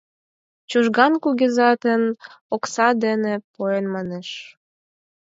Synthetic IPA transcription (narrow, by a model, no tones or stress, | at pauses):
t͡ɕuʒɣɑnkuɣezɑt̪ənoksɑd̪enepoenmɑneʃ